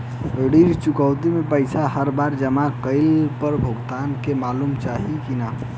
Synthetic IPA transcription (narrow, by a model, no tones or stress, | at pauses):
ɽiɾt͡ʃukəwt̪imepəɪsaɦəɾbaɾd͡ʒəmakəɪlpəɾbʱoɡt̪ankemalumt͡ʃaɦikina